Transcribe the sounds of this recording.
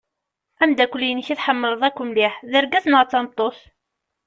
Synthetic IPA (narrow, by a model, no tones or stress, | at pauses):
æmd̪ækʷːʊlijənçiθħəmːəɾəðˤækʷːʊmliħðəɾɡæθnʁt͡sːɑnt̪ˤːoθ